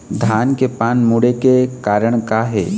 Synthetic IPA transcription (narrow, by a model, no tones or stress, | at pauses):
d̪ʱaːnkepaːnmʊɽekekaːɾəɽ̃kaɦɛː